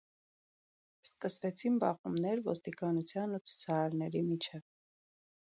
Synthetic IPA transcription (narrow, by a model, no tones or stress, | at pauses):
skəsvɛt͡sʰinbɑʁumnɛɾvɔst̪ikɑnut͡sʰjɑnut͡sʰu̥t͡sʰɑɾɑɾnɛɾimit͡ʃʰɛv